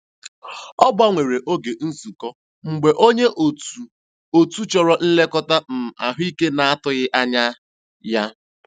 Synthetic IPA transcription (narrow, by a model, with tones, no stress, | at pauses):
ɔ˦ba˦ŋʷe˨ɾe˨ʔo˦ɡe˨n̩˦zu˨kɔ˦ | ŋ͡m̩˨ɡ͡be˨ʔo˦ɲe˦ʔ | o˨tu˦t͡ʃɔ˨ɾɔ˦n̩˦le˦kɔ˦ta˦m̩˨a̰˨ɦʊ˦i˦ke˦na˨a˦tʊ˨ɣɪ˦ʔa˦ɲa˦ | ja˦